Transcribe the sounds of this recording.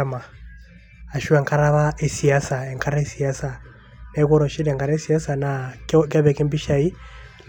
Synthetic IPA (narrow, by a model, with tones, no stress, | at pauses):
a˦ma˨ | a˨ʃu˦ɛ˨ŋka˦ɾa˦βa˦ʔɛ˨si˨a˦sa˨ɛ˨ŋka˦ɾa˦ɛ˦si˨a˦sa˨ | nɛ˦kɔ˦ɾɔ˨ʃi˦ɾɛ˨ŋka˨ɾa˦si˨a˦sa˨na˨kka˦βɛ˨kɛ˦mbi˦ʃa˨i˦